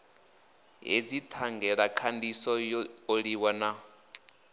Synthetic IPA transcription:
ɦed͡zit̪ʰaŋɡɛɺakʰandisɔoɺiwana

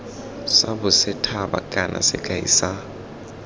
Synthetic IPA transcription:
sabʊsɛtʰaba̰kʼanʔa̰sɛ̰kʼaḭsa

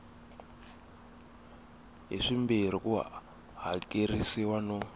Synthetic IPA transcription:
ɦḭʂimbir̤iku | ɦakʼirisiwanɔ

